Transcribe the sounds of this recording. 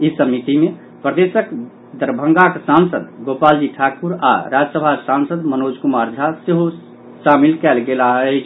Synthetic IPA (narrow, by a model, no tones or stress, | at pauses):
isəmit̪ime | pɾəd̪esək | d̪əɾbʱə̃ŋɡaksansəd̪ɡopald͡ʒiʈʰakuɾa̰ɾad͡ʒsəbʱasansəd̪mənod͡ʒkumaɾd͡ʒʱaseɦo | samilkɛlɡelaɦɛ